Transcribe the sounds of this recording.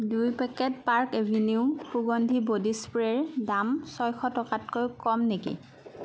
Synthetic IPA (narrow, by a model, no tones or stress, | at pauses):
dujpɛkɛt̚paɹkevʱiniʊpuɡondʱibodispɹɛɹdamsɔjxʰɔtɔkatkojkɔmnekḭ